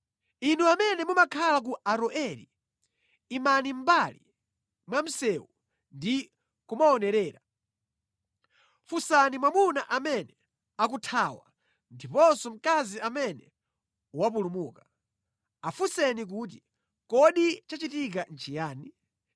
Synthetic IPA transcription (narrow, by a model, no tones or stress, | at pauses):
inuamɛnɛmumakʰalak̬uʔaɾɔʔɛlḭ | imanim̩bali | mwam̩sɛwu | ndi | kumaɔnɛɾɛːɾa | fusanimwamunaʔamɛnɛ | ak̬utʰaːwa̰ | ndipɔnsɔm̩kaziamɛnɛ | uwap̬ulumuːka | afusɛnik̬uːt̬i | kɔɗit͡ʃat͡ʃitik̬an̩t͡ʃijaːni